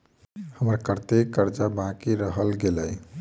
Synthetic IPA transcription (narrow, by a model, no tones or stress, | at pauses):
həməɾkəɾt̪ekːəɾd͡ʒabãkiɾəɦəlɡeləj